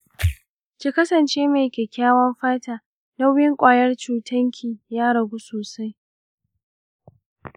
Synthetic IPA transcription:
kʲi˨kɐ˦sɐ˨nt͡ʃeː˦meː˨kʲeː˨kʲaː˦wɐ˦mɸaː˦taː˨ | dɐ˦wjɪ˦ŋkʷʼaː˨jɐ˦rt͡ʃuː˨tʰɐ˦ŋkʲʰiː˨jaː˦ɽɐ˨ɡu˦soː˨sa˦j

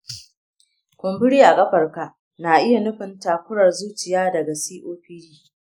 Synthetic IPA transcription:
kʷʊ˨mbʊ˦ɽiː˦ʔa˨kʼɐ˦ɸɐ˨rka˨ʔ | na˨ʔɪ˦ja˨nʊ˦ɸɪ˨ntaː˨kʷʊ˦ɾɐ˨rzuː˦t͡ʃɪ˨jaː˦dɐ˨ɡa˨siː˦ʔoː˦ɸɪ˦ɾiː˦

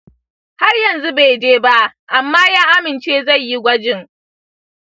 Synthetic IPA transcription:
ha˦rjɐ˨nzu˦be˨d͡ʒeː˦ba˦ʔʔa˨mːaː˦jaː˦ʔa˦mɪ˨nt͡ʃeː˦za˦˨jji˦ɡʷɐ˦d͡ʒɪ˨ŋ

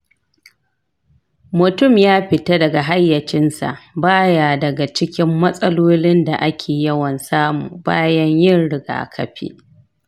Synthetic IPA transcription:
mʊ˨tʊ˦˨mjaː˦ɸɪ˨ta˦dɐ˨ɡa˨ɦa˦jːɐ˨t͡ʃɪ˦nsa̰˨ʔbaː˦jaː˨dɐ˨ɡa˨t͡ʃɪ˦kʲɪ˦mːɐ˦sʼɐ˦loː˦lɪ˦nda˨ʔa˦kʲʰeː˨jɐ˦wɐ˨nsaː˦mṵː˨ba̰ː˦jɐ˦ɲjɪ˦˨nɽɪ˨ɡa̰ː˨kʰɐ˨ɸḭː˦

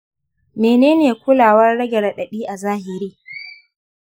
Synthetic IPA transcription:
meː˨neː˦neː˨kʷʊ˦laː˨wɐ˦rːɐ˦ɡʲɛ˨ɽa˨ɗɐ˨ɗiː˦ʔa˨zaː˦hɪ˨ɾiː˦

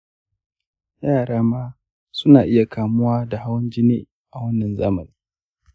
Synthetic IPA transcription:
jaː˦˨ɽaː˦maː˦ | sʊ˦naː˨ʔɪ˦ja˨kaː˨mʊ˦waː˦da˨ha˦wɐ˦nd͡ʒɪ˦neː˦ | ʔa˨wɐ˦nːɐ˨nza̰ː˦mɐ˨niː˦

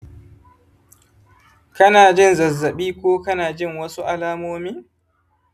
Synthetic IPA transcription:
kɐ˦naː˨d͡ʒɪ˦nzɐ˨zːɐ˨ɓiː˦kʷoː˦kɐ˦naː˨d͡ʒɪ˦˨ŋwɐ˦su˦ʔa˦laː˦moː˦miː˦

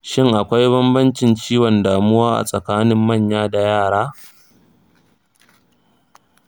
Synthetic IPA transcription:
ʃɪ˦ŋʔa˨kʷa˦jbɐ˦mbɐ˦nt͡ʃɪ˨nt͡ʃiː˦wɔ˨ndaː˨mʊ˦waː˦ʔa̰˨sʼɐ˨kaː˦nɪ˦mːɐ˦˨ɲjaː˦da˨jaː˦˨ɽaː˦

